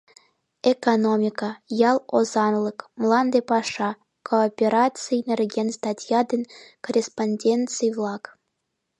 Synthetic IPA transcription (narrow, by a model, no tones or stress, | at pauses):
ekonomʲikɑjɑlˠozɑnlˠɤkmlˠɑnd̪epɑʂɑ | koːpʲeɾɑt͡sɨnʲerʲɡʲenst̪ɑtʲjɑd̪enʲkorʲesponʲdʲent̪t͡sɨjvlˠɑk